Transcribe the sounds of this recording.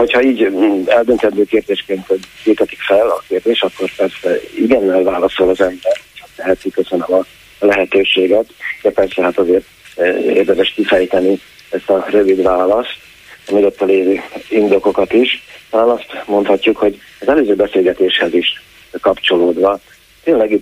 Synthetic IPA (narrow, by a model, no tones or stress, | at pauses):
ho̞chɒiːɟɛld̪ønt̪ɛt̪døːkeːrd̪eːʃkeːnt̪viːt̪ɛt̪i̥kfɛlɒkeːrd̪eːʃɒkːo̞rpɛrsɛiɡɛnːɛlvaːlɒsolɒzɛmbɛrhochat̪lɛɦɛt̪mikøsønømɒ | lɛɦɛt̪øːʃeːɡɛt̪d̥̪ɛpɛrsɛɦat̪ɒzeːrt̪ḛːrd̪ɛmɛʃkifɛjt̪ɛni | ɛst̪ɒrø̞vid̪ʋaːlɒst̪ | miɡot̪ːɛleːvøːind̪o̞ko̞kɒt̪iʃt̪ɒlaːnɒst̪mo̞nt̪hɒcːukho̞ɟ | ɒzɛløːzøːbɛseːlɡɛt̪eːʃhɛziʃ | kɒpt͡ʃo̞loːd̪ʋɒ | t̪eːnlɛɡi